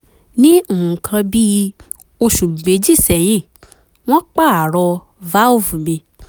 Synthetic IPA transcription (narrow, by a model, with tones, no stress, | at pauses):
nĩ˦u˦˨ũ˨kʰã˧bi˦ | o˧ʃu˨ɡ͡b̩˨ɡ͡be˨˦d͡ʒi˦˨sɛ˨j̃ĩ˦˨ | w̃ɔ̃˦k͡pa˦˨a˨ɾɔ˧ | va˦o˦˨fu˨mĩ˧